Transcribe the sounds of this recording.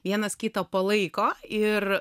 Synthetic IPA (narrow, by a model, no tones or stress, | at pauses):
ʋʲiɛnɐskʲɪt̪ɐpɐlˠɐɪkoːɪr